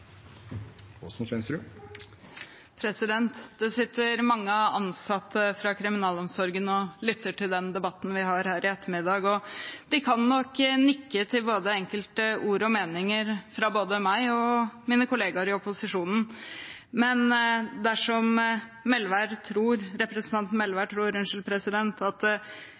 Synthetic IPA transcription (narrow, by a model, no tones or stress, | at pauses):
ɔ̰sɔmsɛnsɾʉ | pʰɾɛsɪd̪ɛnt̪d̪ɛsɪt̪ːəɾmɑŋːəɑnsɑt̪ːəfɾɑkʰɾɪmɪnɑːlɔmsɔɾɡənɔlʏt̪ːəʈʰɪld̪ɛnd̪ɛbɑt̪ːn̩ʋɪɦɑɾhæːɾʔɪɛt̪ːəɾmɪd̪ɑːɡɔd̪̥ɪkʰɑnːɔkːnɪkːət̪ʰɪlboːd̪əɛŋkəlt̪əʔuːɾɔmeːnɪŋəɾfɾɑboːd̪əmæɪɔmiːnəkʰʊleːɡɑɾɪɔpʊsɪʂuːnn̩ | mɛnd̪æʂɔmmɛlʋæɾt̪ʰɾuːɾɾɛpɾɛsn̩t̪ʰɑnt̪nmɛlʋæʈʰɾuːɾʉnʂəlpʰɾɛsɪd̪ɛnt̪ʰɑt̪